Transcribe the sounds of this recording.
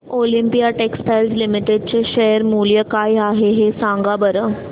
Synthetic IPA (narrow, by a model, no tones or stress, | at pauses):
olimpijaʈeksʈajlzlimiʈeɖ̚t͡ɕeɕəɦəɾmuljəkajaɦeɦesãŋɡabəɾə